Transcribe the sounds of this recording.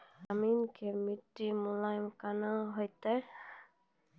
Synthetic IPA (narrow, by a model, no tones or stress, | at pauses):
aminkemiʈːimulajmkanaɦɔjt̪a